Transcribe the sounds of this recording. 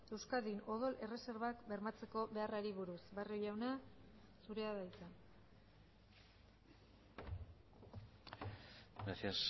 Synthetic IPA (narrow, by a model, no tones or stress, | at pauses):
e̞wskaðino̞ð̞o̞lʔe̞re̞se̞ɾβakbe̞ɾmat͡se̞ko̞βe̞araɾiβ̞uɾusbariojawna | suɾe̞aðajt͡s̪a | ɡɾasias